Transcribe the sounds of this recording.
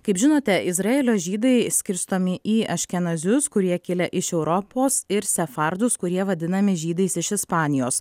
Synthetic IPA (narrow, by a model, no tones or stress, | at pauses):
kɐɪpʒʲɪnoːt̪ʲɛʔɪzɾɐeːlʲoːʒʲiːd̪ɐɪsʲkʲɪɾst̪oːmʲɪʔiːɐʃʲkʲɛnɐzʲʊskʊɾʲiɛkʲɪlʲɛʔɪʃɛʊɾɔpoːsɪɾsʲɛfɐɾd̪ʊskʊɾʲiɛʋɐd̪ʲɪnɐmʲɪʒʲiːd̪ɐɪsɪʃɪspɑːnʲɪjoːs